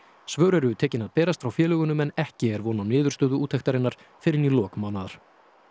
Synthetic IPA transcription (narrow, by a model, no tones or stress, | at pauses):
svœːwɾɛɾʏt̪ʰɛːcɪnaðpɛːɾast̪fɾawfjɛːlœːɣʏnʏmɛnɛhcɪɛɾvɔːnanɪːðʏɾ̥st̪œːðʏuːt̪ʰɛjht̪aɾɪnːaɾ̥ | fɪɾɪnilɔːkmawnaðaɾ̥